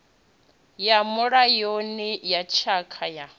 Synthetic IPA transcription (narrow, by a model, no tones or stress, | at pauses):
jamʊɺajonijat͡ʃʰakʰaja